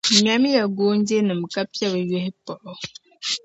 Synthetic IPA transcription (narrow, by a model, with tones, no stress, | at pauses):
mja˦mi˦ja˨ɡo˦n̩˦de˦nɨ˨m̩˨ka˦ppja˦bə˨je˦hi˦pɔ˨ʔɔ˦